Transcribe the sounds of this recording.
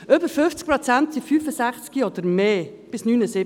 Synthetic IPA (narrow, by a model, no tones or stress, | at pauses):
ʔøpəɾfʏnft͡sk̚pɾɔt͡sænt̪sifyːfəsæχt͡skiod̪əɾmeː | b̥ɪsnyːnəsɪ